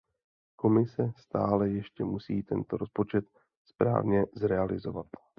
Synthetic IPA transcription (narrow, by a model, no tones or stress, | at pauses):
ko̞mɪsɛst̪a̰ːlɛjɛʃcɛmusiːt̪ɛnt̪o̞ɾo̞spo̞t͡ʃɛt̪ | spɾa̰ːvɲɛzɾɛalɪzo̞̰vat̪